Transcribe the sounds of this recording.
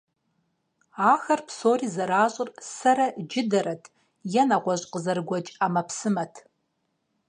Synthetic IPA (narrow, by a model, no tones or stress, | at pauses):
aːxɐrpsoːriːzɐɾaːɕʼɪrsɐɾɐd͡ʒɪdɐɾɐtʰ | jɛnɐʁʷɔɕʼqəzɐrɡʷɐt͡ʃʼaːmɐpsɨmɐtʰ